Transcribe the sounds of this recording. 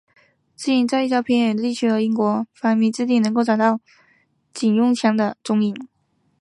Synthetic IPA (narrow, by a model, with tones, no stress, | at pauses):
t͡s̩˥i˥˩nt͡sa˥˧ɪ˥˩t͡ɕʰjɑ˥ʊpʰjɛ˥njɛ˨˩d̪ə˧t̪i˥˩t͡ɕʰy˥xɤ˧˥i˥ŋkwɔ˧˥fa˨˩nmi˧˥t͡sɻ̩˥˧t̪i˥˩nɤ˧˥ŋko˥˩ʊʈ͡ʂɑ˨˩t̪ɑ˥˩ʊ | t͡ɕi˨˩njʊ˥˧ŋt͡ɕʰjɑ˧˥ŋd̪ə˧ʈ͡ʂʊ˥ŋi˧˩n